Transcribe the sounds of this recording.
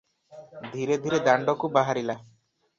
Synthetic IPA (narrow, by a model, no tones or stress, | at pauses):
d̪ʱiɾed̪ʱiɾed̪aɳɖɔkubaɦaɾila